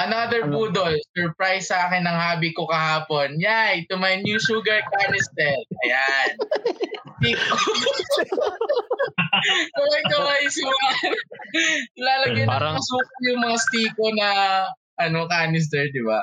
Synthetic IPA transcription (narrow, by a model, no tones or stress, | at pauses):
ʔɐnaːd̪ɛɹpuːd̪olsɛɹpɹajsːɐʔaːkɛnːɐŋhaːbikokɐhaːpo̞njajt̪ʊmɐjnjuːʃuːɡɐɹkaːnɪst̪ɛlɐjan | t̪iːko | kɐwɐjkɐwajsuɡa | laːlɐɡɪp̪aɾɐɐsuːkɐjʊŋmɐŋast̪iːko̞nɐ | ʔɐno̞kaːnɪs̬t̪ɛɹd̪ɪba̰